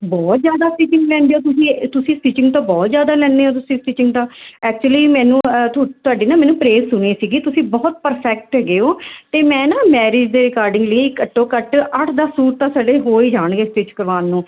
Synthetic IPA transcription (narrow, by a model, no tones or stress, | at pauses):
bɔːt̪zjaːd̪aːsʈiːt͡ʃɪŋɡlɛ̃ːnd̪eoːt̪ʊsĩːt̪ʊsĩːsʈiːt͡ʃɪ̃ŋɡt̪ãːbɔːt̪zjaːd̪aːlɛ̃ːnd̪eːoːt̪ʊsĩːsʈiːt͡ʃɪ̃ŋɡt̪ãːɛːk̚t͡ʃuəliːmɛ̃ːnũːt̪ʊaːɖeːnaːmɛːnũːpɾeːzsʊɳeːsiːɡiːt̪ʊsĩːbɔːt̪̚pəɾpʰɛːk̚ʈɦɛɡeːoːt̪eːmɛ̃ːnãːmɛːɾɪːd͡ʒd̪eːɾɪkaːɾɖɪ̃ŋɡləeɪkːəʈːõːkəʈəʈʰd̪aːsuːɾt̪ãːsəɖeːɦoːiːd͡ʒaːɳɡeːsʈɪt͡ʃkəɾʋaːnːũː